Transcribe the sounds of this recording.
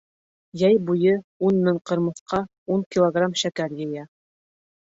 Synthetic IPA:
jæjbujɤunmɘŋqɤ̆ɾmɤ̆θqɑ | uŋkʲilˠoɡramʃækæɾjɘ̆jæ

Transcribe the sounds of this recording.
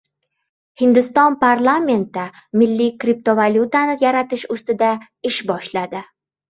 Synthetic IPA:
hɪnd̪ɪst̪ɒnpʰaɾlˠamʲe̞nt̪ɪ | mɪlːikɾip̚t̪ovalʲjut̪anɪjaɾat̪ɪʃʊst̪ɪd̪a | ɪʃbɒʃlad̪ɪ

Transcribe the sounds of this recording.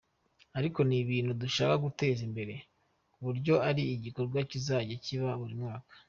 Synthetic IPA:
aɾiko̞niβiːnhuduʃaːkaɡute̞ːzimbe̞ɾe̞ | uβuɾɟo̞aɾiːɟiko̞ɾɡwacizaːɟaciβaβuɾimŋaːkḁ

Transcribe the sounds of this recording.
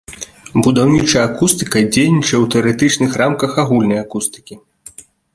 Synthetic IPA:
bud̪awnʲit͡ʂɐakust̪ɨkɐd͡zʲejnʲit͡ʂɐwt̪ɛɐɾɛt̪ɨt͡ʂnɨxramkɐxaɣulʲnɐjakust̪ɨ̥kʲi

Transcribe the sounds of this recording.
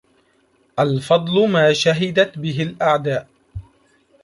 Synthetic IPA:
ʔalfɑd̪ˤlʊmaːʃaɦɪd̪at̪bɪɦɪlʔaʕd̪aːʔ

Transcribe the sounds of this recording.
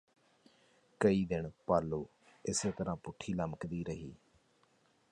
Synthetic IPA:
kəiːd̪ɪɳpaːlːuː | ɪseːt̪əɾãːpʊʈʰːiːləməkd̪iːɾəɦḭː

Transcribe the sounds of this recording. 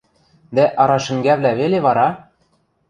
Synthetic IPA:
d̪æʔɑɾɑʃɘ̆ŋɡæβlæβeleβɑɾɑ

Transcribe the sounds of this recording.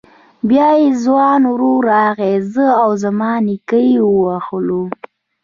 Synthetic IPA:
bjɑjezwɑnwɾoɾaːɣezəawzamɑnikəjiwəwaxlu

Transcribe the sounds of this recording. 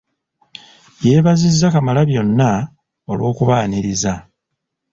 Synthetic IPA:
jeːβazizːakamalaβjo̞nːa | o̞lwo̞ːkuβaːniɾiza

